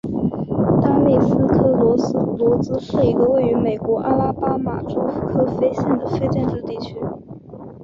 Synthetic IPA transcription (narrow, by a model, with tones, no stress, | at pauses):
t̪a˥me˥˩ɪsɹ̩˥kʰɤ˥lwɔ˧˥lwɔ˧˥t͡sɹ̩˥ʂɻ̩˥˩i˧˥ɡə˧we˥˩ɪy˧˥me˨˩ɪkwɔ˧˥ʔa˥la˥˩pa˥ma̰˨˩ʈ͡ʂo˥ʊ˥kʰɤ˥fe˥ɪɕjɛ˥˩nd̪ə˩fe˥ɪʈ͡ʂɛ˥˧nʈ͡ʂ̩˥˧t̪i˥˩t͡ɕʰy˥